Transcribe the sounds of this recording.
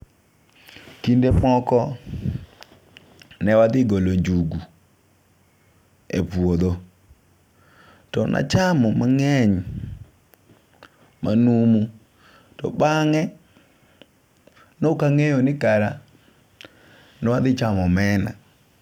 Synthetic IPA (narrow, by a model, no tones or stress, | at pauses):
kindemɔkɔ | nɛwad̪ɪɡoloɲd͡ʒuɡu | ḛpwod̪o | tɔnʔa̰t͡ʃamɔmaŋɛɲ | manumu | tɔ̰baŋɛ | nokaŋejonɪkaɾa | nɛwad̪ɪt͡ʃamɔmɛna̰